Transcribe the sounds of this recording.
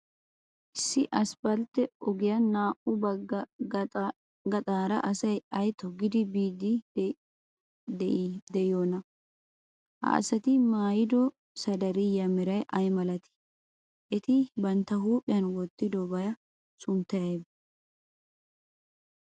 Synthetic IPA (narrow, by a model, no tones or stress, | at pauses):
ʔɪsːɪʔɐsbɐlt̪ːɛɔɡɪjɐnaːʔʊbɐɡɐ | ɡɐt̪ʼaːɾɐ̰ʔɐsɐjɐjt̪ʰɔɡɪd̪ɪbiːd̪ɪ | d̪ɛd̪ɛɪjoːnɐ | hɐ̰ɐ̰sɐt̪ɪmaːjɪd̪ɔ | sɐd̪ɐɾɪjɐmɛɾɐjʔɐjmɐlɐt̪ɪ̥ | ʔɛt̪ɪbɐnt̪ːɐɦuːpʼːɪjɐnwɔt̪ːɪd̪ɔbɐjɐ | sʊmt̪ɐjɐjb